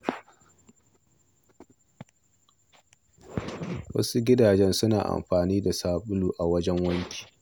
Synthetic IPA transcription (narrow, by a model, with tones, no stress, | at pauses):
wɐ̰˦su˦ɡʲɪ˦daː˨d͡ʒɛ˦nsʊ˦na̰ː˨ʔa̰˨mɸaː˨niː˦da˨saː˦ɓʊ˦luː˨ʔa˨wɐ˦d͡ʒɛ˦ŋwɐ˦ŋkʲi̥ː˨